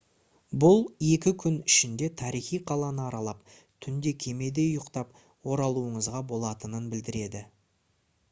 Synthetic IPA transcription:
bʊlˠje̞kʲɪkʲʰʏnɪʃɪnd̪e̞t̪ʰɑɾijχijqʰɑlˠɑnəɑɾɑlˠɑp̚ | t̪ʰʏnd̪e̞kʲʰe̞me̞d̪e̞ʊjʊqt̪ɑp̚ | wo̞ɾɑlˠuəɴəzʁɑbo̞lˠɑt̪ənənbɪld̪ɪɾe̞d̪ɪ

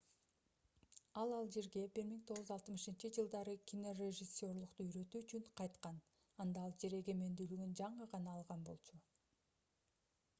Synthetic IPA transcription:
ɑlˠɑlˠd͡ʒe̞ɾɡe̞biɾmiŋt̪ʰo̞ʁɯzɑlˠt̪mɯʃɯnt͡ʃid͡ʒɯlˠd̪ɑɾɯkʲʰino̞reʒɪsʲːo̞rlˠuqt̪uyɾø̞t̪yːt͡ʃyɴqʰɑjt̪qɑn | ɑnd̪ɑɑlˠd͡ʒe̞ɾe̞ɡe̞me̞nd̪yːlyɡynd͡ʒɑɴəʁɑnɑːlˠʁɑnbo̞̰lˠt͡ʃʰu

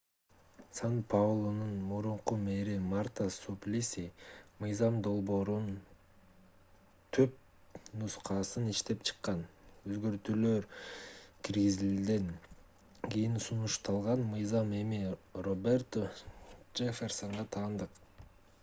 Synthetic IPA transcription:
sanpʰavlˠonunmuɾuɴqume̞ɾimart̪asuplʲisʲimɯjzɑmd̪o̞lˠbo̞ːɾun | t̪ʰøp̚ | nusqʰɑsɯniʃt̪e̞pt͡ʃʰɨ̥qːɑnøzɡø̞ɾt̪yløɾ | kʲʰiɾɡizid̪e̞ŋ | kʲijinsunuʃt̪ɑlˠʁɑnmɯjzɑme̞mirobert̪od͡ʒefʲersoŋʁɑt̪ʰɑːnd̪ɯq

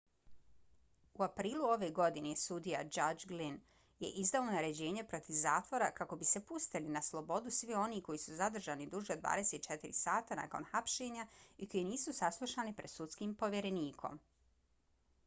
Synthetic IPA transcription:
uapɾiːlˠuo̞ʋeɡo̞d̪inesud̪ijad͡ʒad͡ʒɡlin | je̞̰ʔizd̪aonaɾe̞d͡ʑe̞ːɲe̞pɾo̞t̪iʋzaːt̪ʋo̞ɾakako̞bise̞pust̪ilinaslˠo̞bo̞d̪usʋio̞niko̞jisuzad̪r̩ʒaːnid̪uʒeod̪ʋa̰ːd̪e̞seːt̪t͡ʃe̞t̪iɾḭsaːt̪ana̰ːko̞̰nxapʃe̞ːɲaiko̞jeniːsusaslˠuʃaːnipɾe̞d̪sut̪skimpo̞ʋʲjeɾe̞niːkʰo̞̰m

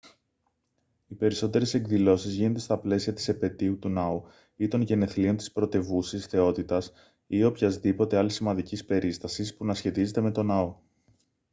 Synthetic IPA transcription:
ipe̞ɾiso̞t̪e̞ɾe̞se̞kðilo̞sizʝinond̪e̞st̪ɐple̞siɐt̪i̥sepe̞t̪iut̪unɐu | it̪o̞nʝe̞ne̞θlio̞nt̪i̥spɾo̞t̪e̞vusisθe̞o̞t̪it̪ɐs | io̞pçɐzðipo̞t̪e̞ɐlisimɐnd̪icispe̞ɾʔist̪ɐsispunɐsçe̞t̪ize̞t̪e̞me̞t̪o̞nɐo̞

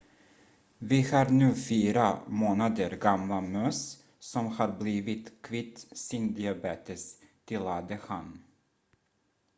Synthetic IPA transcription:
vɪhɑːɾnʉ̟ːfiːɾamoːnad̪əɾɡamlamœs | sɔmhɑːɾbliːvɪt̪kʰvɪt̪sɪnd̪ɪabeːt̪ɪs | t̪ʰɪlad̪əhan

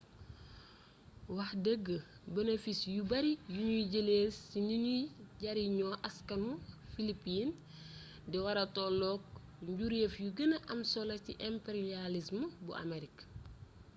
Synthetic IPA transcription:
wɐxdəɡːə | bɐnefisjubɐɾijuɲuɟəleːsiɲunuɟɐɾiɲɔʔɐskɐnufilipiːn | diwɐɾɐtɔːlɔːk̚ | ɲɟuɾefjuɡənɐʔɐmsɔlɐciʔɛmpeɾialisməbṵɐ̰meɾik

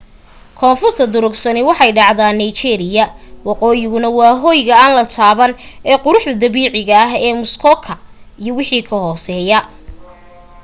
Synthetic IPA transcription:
kʰɔːnfʊrt̪ʰɐd̪ʊɾʊɡsɐnɪwɑħɑjɖɑʕðaːnːɐjt͡ʃɛːɾɪjɐwɑqɔːjɪɣʊnɐwɑːɦɔːjɣɐaːnlɐt̪ʰaːβɐnɛːqʊɾʊħd̪ɐd̪ɐβiːʕɪɣɐɐɦɛːmʊskʰɔkʰɐijɔwɪħiːkʰɐhɔːsɛːjɐ

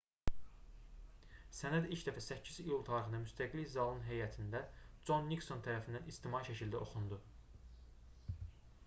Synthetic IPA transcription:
sænæd̪ilcʰd̪æfæsæcʰːizijulˠt̪ʰɑɾɯχɯnd̪ɑmyst̪ʰæɡlizɑlˠɯnɦejæt̪ʰind̪æd͡ʒo̞nːikso̞nt̪ʰæɾæfind̪ænist̪ʰimɑiʃæcʰild̪æʔo̞xund̪u

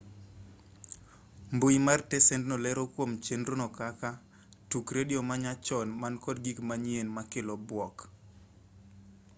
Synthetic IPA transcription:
mbujimartɛsɛntnɔlɛɾokwomt͡ʃenɾonɔkaka | tukɾediɔmaɲat͡ʃɔnmankɔdɡikmaɲienmakelɔbwɔk

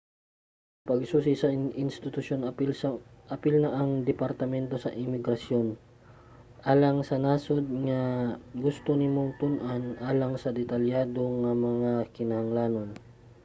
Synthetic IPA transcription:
pɐɡsuːs̬isɐʔɪnst̪ɪt̪ʊʃjon | ʔɐpɪlnɐʔɐŋd̪ɛpɐɾt̪ɐmɛnt̪o̞sɐʔɪmɪɡɾɐsjo̞n | ʔaːlɐŋsɐnaːsod̪̚ŋɐɡʊst̪onɪmoŋt̪ʊnʔanʔaːlɐŋsɐd̪ɛt̪ɐljaːd̪oŋɐmɐŋakɪnɐhɐŋlaːnon

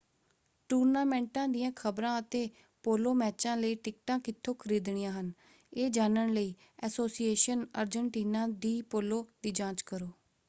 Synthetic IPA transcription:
ʈuːɾnaːmɛ̃ːɳʈãːd̪ɪjãːkʰəbɾãːət̪eː | poːloːmɛːt͡ʃãːləiːʈɪk̚ʈãːkɪt̪ʰːoːkʰəɾiːd̪ɳijãːɦən | eːd͡ʒaːnəɳləiː | ɛːsoːsieːʃənə̰ːɾd͡ʒəɳʈiːnãːd̪iːpoːloːd̪iːd͡ʒãːt͡ʃkəɾoː

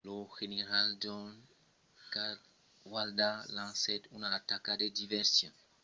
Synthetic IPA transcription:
loxeneɾald͡ʒɔn | ka | waldalãŋsɛtunatakadedivɛɾsjɔ̰̃

